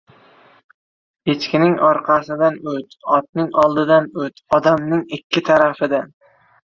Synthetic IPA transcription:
et͡ʃkʲɪnɪŋɒɾqʰɑsɪd̪anɵt̪ɒt̪̚nɪŋɒlˠd̪ɪd̪anɵt̪ɒd̪amnɪŋɪkʲʰːɪt̪ʰaɾafɪd̪an

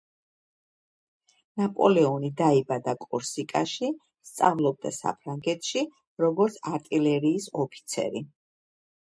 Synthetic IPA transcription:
napʼɔlɛɔnid̪aibad̪akʼɔɾsikʼaʃi | st̪sʼa̰vlˠɔb̚d̪a̰sa̰pʰɾaŋɡɛt̪ʰʃi | ɾɔɡɔɾt̪sʰaɾt̪ʼilɛɾiːsɔpʰi̥t̪sʰɛ̰ɾi

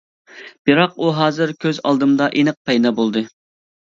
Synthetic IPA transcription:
b̥ɨɾɑquɦɑːzɨɾkʲʰøzɑ̰lˠd̪ɨmd̪ɑʔinɨq̚pʰɛjd̪ɑbolˠd̪ɨ

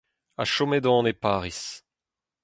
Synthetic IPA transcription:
a̰ʃomed̪ɔ̃nepaːʁis

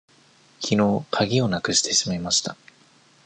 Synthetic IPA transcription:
çʲʰino̞kʰaɡʲio̞nakɯ̟ɕi̥t̪e̞ɕimamaɕi̥t̪a

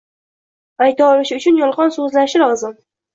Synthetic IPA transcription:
ajt̪ʰaɒlɪʃɪʊt͡ʃʰʊnjɒlˠʁɒnsɵzlanɪʃɪlˠɒzɪm

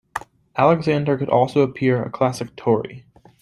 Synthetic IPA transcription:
ʔælˠəɡzæ̃ndə˞kɨɾʔɔ̰lˠsoʊəpʰɪɹɨ̰kʰl̥æsɨk̚tʰɔɹḭ

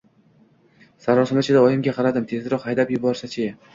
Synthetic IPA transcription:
saɾɒsɪmɪt͡ʃʰɪd̪aɒjɪmɡʲaqʰɑɾad̪ɪmt̪ʰe̞zɪɾɒqhajd̪apjʊbɒɾsat͡ʃʰɪ

